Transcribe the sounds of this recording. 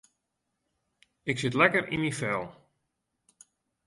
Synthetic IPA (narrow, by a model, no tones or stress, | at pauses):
ɪksɪtlɛkərḭmifɛlˠ